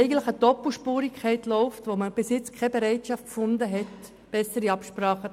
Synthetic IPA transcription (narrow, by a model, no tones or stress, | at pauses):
ɛɪɡən̩tləχəd̥ɔpl̩ʃpuːɾikʰχɛɪtlɔʊftʋoməb̥ɪsjɪt͡skʰɛbeɾɛɪtʃɑft̚fʊndəɦɛt | b̥ɛsəɾiɑpʃpɾɑːχə